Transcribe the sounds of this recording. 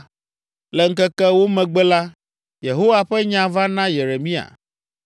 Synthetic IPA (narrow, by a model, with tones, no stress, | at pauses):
lɛ˨ŋ̩˦kɛ˦kɛ˦wo˦mɛ̃˨ɡ͡bɛ˦la˦ | je˨ɦo˦wa˨ɸɛ˦ɲã˨va˦nã˦je˨ɾe˨mĩ˦a̰˨